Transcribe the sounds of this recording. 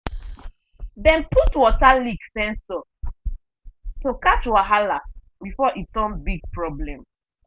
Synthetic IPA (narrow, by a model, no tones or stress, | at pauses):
dɛ̃nputwɔtaliksɛ̃nsɔ | tokat͡ʃwaɦala | bifɔʔitsɔ̃nbiɡ̚pɹɔblɛ̃m